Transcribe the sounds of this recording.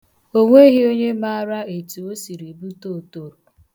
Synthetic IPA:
o˦ŋʷe˦ɣɪ˦o˦ɲe˦ma˦ɾa˦e˨tu˨o˦si˨ɾi˨bu˦to˦˨to˨ɾu˨

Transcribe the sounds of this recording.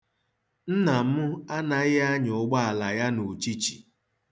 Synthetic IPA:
n̩˦na˨m̩˦ʊ˦a˦na˨ɪ˦a˦ɲʊ˨˦ɡ͡ba˦a˨la˨ja˦nu˨t͡ʃi˦t͡ʃi˨

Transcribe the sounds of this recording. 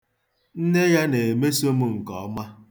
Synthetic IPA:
n̩˦ne˦ja˦ne˨e˨me˦so˦mu˦ŋ̩˨kɔ˨˦ma˦

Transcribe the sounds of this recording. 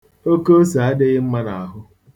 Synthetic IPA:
o˦ko˦sa˨a˦dɪ˦ɣɪ˦m̩˦ma˦na˨a˨ɦʊ˦

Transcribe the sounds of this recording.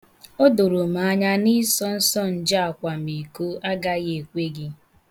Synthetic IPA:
o˦do˨ɾo˨m̩a˨˦ɲa˦ni˦sɔ˦n̩˦sɔ˦n̩˨d͡ʒa˦a˨kʷa˨mi˨ko˦a˦ɡa˦ɣe˨kʷe˦ɡɪ˦

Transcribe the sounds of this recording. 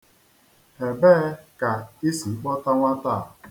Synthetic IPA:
he˨beː˦ka˨i˦si˨˦k͡pɔ˦ta˦ŋʷa˦ta˦˨

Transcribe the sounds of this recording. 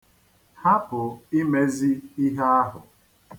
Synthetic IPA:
ha˦pʊ˨i˦me˦zi˦i˦ɦe˦a˦ɦʊ˨

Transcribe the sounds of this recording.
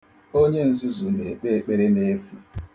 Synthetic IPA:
o˦ɲe˦n̩˦zi˦zu˨ne˨k͡pe˦k͡pe˦ɾe˦ne˦fu˨

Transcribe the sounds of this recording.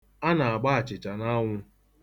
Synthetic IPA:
a˦na˨a˨ɡ͡ba˦a˨t͡ʃɪ˨t͡ʃa˨na˦ŋʷʊ˦

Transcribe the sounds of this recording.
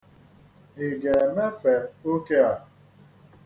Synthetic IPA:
ɦi˨ɡe˨me˦fe˨o˦ke˦a˨

